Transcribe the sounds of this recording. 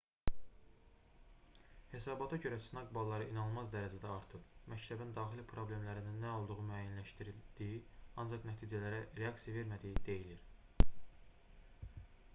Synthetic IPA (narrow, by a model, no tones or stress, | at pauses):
he̞sɑːbɑt̪ʰɑɟø̞ɾæsnɑɡbɑlˠːɑɾɯʔinɑnɯlˠmɑzd̪æɾæd͡ʒæd̪æɑɾt̪ʰɯbmæct̪ʰæbind̪ɑːχilipʰɾo̞ble̞mlæɾininːæolˠd̪uʁumyæjænlæʃt̪iɾild̪̥ijiɑnd͡ʒɑqnæt̪ʰiːd͡ʒælæɾæɾe̞ɑkt̪ijave̞ɾmæd̪ijid̪e̞jiliɾ